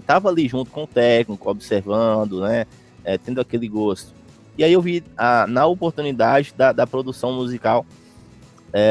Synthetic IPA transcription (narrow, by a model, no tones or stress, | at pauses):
t̪avɐaliʒũnt̪ʊ̥kõʊt̪ɛknikʊɔbiseɾvɐ̃d̪ʊnɛ | ɛt̪ẽnd̪akeliɡost̪ʊ̥ | iaiewvianɐopoɾt̪ũnid̪ad͡ʒɪd̪ɐd̪ɐpɾod̪usɐ̃w̃muzikaw | ɛ